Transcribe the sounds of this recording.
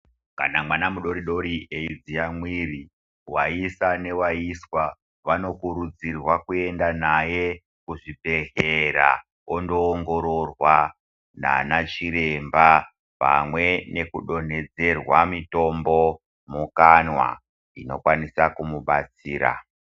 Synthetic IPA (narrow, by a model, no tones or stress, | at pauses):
kanamwanamuɗo̞ɾiɗo̞ɾieid͡ziamwiːri | waisane̞waiswa | ʋano̞kuɾud͡zirwakue̞ndanaje̞ | kuʐibe̞ɦeɾa̰ | ondo̞ːŋɡo̞ɾo̞rwa | na̰nat͡ʃiɾe̞mba | pa̰mwe̞ne̞kuɗo̞ne̞d͡ze̞rwamito̞mbo̞ | mukanwa̰ | ino̞kwanisakumuɓat͡siːɾa̰